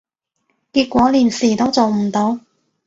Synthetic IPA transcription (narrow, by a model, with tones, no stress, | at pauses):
kiː˧t̚kʷɔː˨˥liː˨˩nsiː˨˩t̪o˥wt͡so˨wm̩˨˩t̪o˨˧w